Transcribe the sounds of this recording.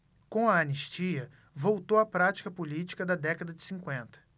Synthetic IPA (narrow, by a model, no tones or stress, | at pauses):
kõw̃ɐːniʃt͡ʃiɐ | vowt̪owɐpɾat͡ʃi̥kɐpolit͡ʃi̥kɐd̪ɐd̪ɛkɐd̪ɐd͡ʒɪsĩŋkwẽnt̪ɐ̥